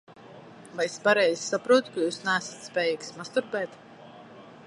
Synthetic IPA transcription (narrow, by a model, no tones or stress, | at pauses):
vajespaɾɛjzʲsapɾuɔt̪kajuːsnæːsḁt̪spʲɛːjiːksmast̪uɾpɛːt̪